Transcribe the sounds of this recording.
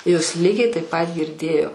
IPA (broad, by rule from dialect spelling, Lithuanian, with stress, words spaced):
joːs ˈlʲiːɡʲɛɪ tɐɪp pɐt ɡʲɪrʲˈdʲeːjoː